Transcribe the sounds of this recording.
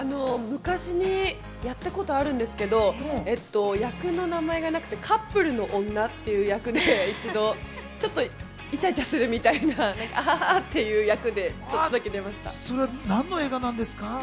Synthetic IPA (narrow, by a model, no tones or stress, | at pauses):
ano̞mɯ̟kaɕiɲ̟i | jat̪ːako̞t̪o̞aɾɯ̟̃nd̪e̞sɨ̥ke̞d̪o̞e̞t̪ːo̞jakɯ̟no̞namae̞ɡanakɯ̟̥t̪e̞kʰapːɯ̟ɾɯ̟no̞ʔõnːat̪ːe̞jɯ̟ːjakɯ̟d̪e̞it͡ɕid̪o̞ | t͡ɕo̞t̪ːo̞ | it͡ɕait͡ɕasɨɾɯ̟mʲit̪ainanãŋkaat̪ːe̞jɯ̟ːjakɯ̟d̪e̞t͡ɕot̪ːod̪akʲed̪e̞maɕi̥t̪a̰soɾeanãnːo̞e̞ːɡanãnd̪e̞sɨ̥ka